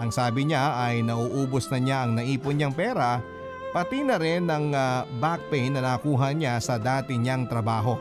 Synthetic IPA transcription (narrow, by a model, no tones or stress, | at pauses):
ʔɐŋsaːbɪɲaʔɐjnɐʔuːʔuːbosnɐɲaʔɐŋnɐʔiːponɲɐŋpɛːɾɐ | pɐt̪inɐɾɪnːɐŋbak̚pɛjnːɐnɐkuːɦɐɲasɐd̪aːt̪ɪɲaŋt̪ɾɐbaːɦo̞